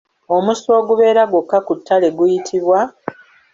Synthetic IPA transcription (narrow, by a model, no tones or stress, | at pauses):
o̞muso̞ːɡuβe̞ːɾaɡwokːakutʰːale̞ɡujitʰiβwa